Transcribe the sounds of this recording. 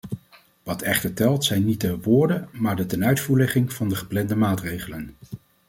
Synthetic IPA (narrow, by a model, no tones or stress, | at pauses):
ʋɑtʰɛχtəɹtɛlˠtsɛjnit̚dəʋʊːɹdəmaːɹdətɛnœɥtfuːɹlɛχɪŋv̥ɑndəχə̥plɛndəmaːtrejχələn